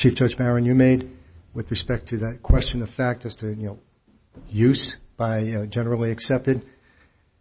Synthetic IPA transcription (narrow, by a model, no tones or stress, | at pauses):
t͡ʃʰift͡ʃɜ˞d͡ʒbæɹɨ̃njɨmeɪd̚ | wɨðɹɨspɛk̚tʰɨðɨt̚kʰw̥ɛst͡ʃɨ̃nʌv̥fæk̚tɨz̥tʰɨjɨnoʊ | jʉzb̥aɪd͡ʒɛnə˞l̩ˠiɨksɛp̚tɨd̚